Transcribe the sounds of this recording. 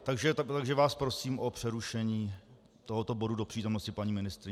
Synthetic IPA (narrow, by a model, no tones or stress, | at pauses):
t̪aɡʒɛt̪aɡʒɛvaːspɾo̞siːmʔopr̝̥ɛɾuʃɛɲiː | t̪o̞ɦot̪obo̞dudopr̥iːt̪o̞mno̞scɪpaɲiːmɪnɪst̪ɾɪ